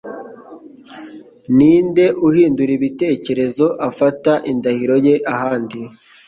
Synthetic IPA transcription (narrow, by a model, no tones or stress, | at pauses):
niːnde̞ʔuhiːnduɾiβite̞ːce̞ɾe̞zo̞ʔafataʔindahiɾo̞je̞ʔahaːndi